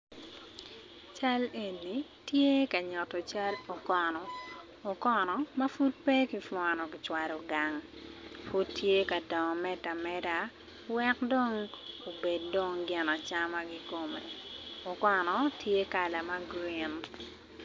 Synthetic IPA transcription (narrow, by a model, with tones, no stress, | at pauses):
t͡ʃa˦le˨nːi˨ | tje˦ka˨ɲɔ˨tɔ˨t͡ʃa˦lo˨kɔnɔ˨ | o˨kɔ˦nɔ˨ma˦fu˦t̚pe˦ki˦fwɔ˨nɔ˨kɪ˨t͡ʃwa˨ɾɔ˨ɡa˨ŋfu˦tːje˦ka˨dɔ˨ŋɔ˨mɛ˦ta˨mɛ˦da˦ | wɛ˦kdo˦ŋo˨be˨ddo˦ŋɡɪ˨na˨t͡ʃa˦ma˦ɡi˦ko˨me˨o˨kɔ˨nɔ˨tʰje˦ka˨la˨ma˦ɡɾi˦n